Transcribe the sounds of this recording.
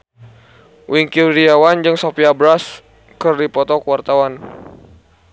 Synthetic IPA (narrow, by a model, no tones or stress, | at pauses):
wiŋkidiawand͡ʒɨŋsopiabɾas | kərdipɔt̪ɔkuwart̪awan